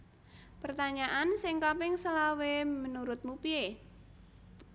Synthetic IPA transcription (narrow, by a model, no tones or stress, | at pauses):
pərt̪aɲaʔansɪŋkapɪŋsəlawemənuɾʊt̪̚mupie